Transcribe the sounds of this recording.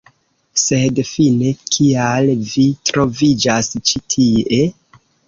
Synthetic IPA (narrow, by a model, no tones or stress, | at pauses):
se̞dfine̞kʰialvitɾo̞vid͡ʒast͡ʃitʰie̞